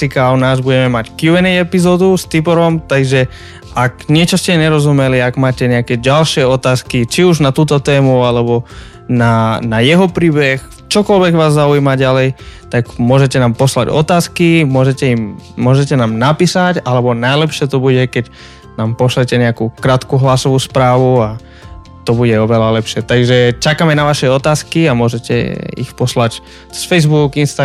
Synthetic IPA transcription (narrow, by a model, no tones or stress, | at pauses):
sikaʊnaːzbuɟɛmɛmackjuɛnɛjɛpizɔːd̪ust̪ipɔɾɔmt̪aɡʒɛ | aɡɲɪɛt͡ʃɔscɛɲɛɾɔzumɛliaɡmaːcɛɲɛakɛɟalʃɪɛɔt̪aːskit͡ʃiuʒnat̪uːt̪ɔt̪ɛːmualɛbɔ | nanajɛɦɔpɾiːbɛx | t͡ʃɔkɔlʋɛɡʋaːzːauiːmaɟalɛjt̪aɡmʊɔʒɛcɛnaːmpɔsla̰ɟɔ̰t̪aːskimʊɔʒɛcɛimmːʊɔʒɛcɛnaːmnapiːsacalɛbɔnajlɛpʃɪɛt̪ɔbuɟɛkɛc | naːmpɔslɛcɛɲɛakukɾaːt̪kuɦlasɔʋuːspɾaːʋua | t̪ɔbuɟɛɔʋɛlalɛpʃɪɛt̪aɡʒɛt͡ʃakamɛnaʋaʃɛɔt̪aːskiamʊɔʒɛcɛ̰ḭxpɔslac | sfɛjzbuɡinst̪a